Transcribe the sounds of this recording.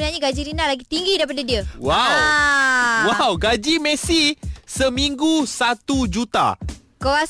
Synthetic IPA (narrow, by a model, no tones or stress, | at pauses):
ənaɲaɡad͡ʒiɾinalaɡit̪iŋɡidaɾip̬adadiəwaw | wawɡad͡ʒimɛsisəmĩŋɡusat̪ud͡ʒut̪a̰ | kawa